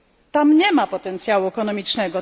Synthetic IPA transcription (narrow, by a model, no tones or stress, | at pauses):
t̪amɲɛmapɔt̪ɛnt̪sʲjawuɛkɔnɔmʲit͡ʂnɛɡɔ